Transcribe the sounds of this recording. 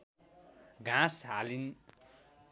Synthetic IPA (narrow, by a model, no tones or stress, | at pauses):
ɡʱãsɦalin